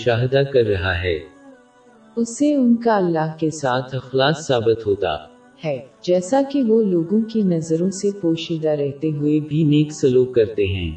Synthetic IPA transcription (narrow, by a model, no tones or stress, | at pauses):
ʊʃaːɦɪd̪akɐɾːɐɦaɦɛː | ʊseʊnkaɐlːaːɦkesaːt̪ʰɐxlaːksaːbɪt̪ɦoːt̪a̰ː | hɛːd͡ʒɛːsakiʋoloːɡõkinɐzəɾõsepoːʃɪd̪aɾɛɦt̪eɦʊebʱineːksɐluːp̚kɐɾt̪eɦɛ̰̃ː